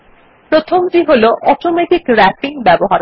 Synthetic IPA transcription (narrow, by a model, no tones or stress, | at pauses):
pɾot̪ʰomdiɦoloʔɔʈomeʈikɾɛpiŋbɛboɦaɾ